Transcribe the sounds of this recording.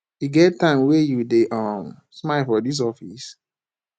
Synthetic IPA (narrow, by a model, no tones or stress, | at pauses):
iɡɛt̚tːãɪ̃mwejudeʔʌm | smaɪfɔdis̬ɔfḭs